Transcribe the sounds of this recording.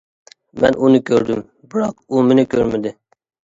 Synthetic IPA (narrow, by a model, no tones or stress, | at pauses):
mɛnunɪkʲʰøɾd̪ym | bɪɾɑqumɪnɪkʲʰøɾmɪd̪ɪ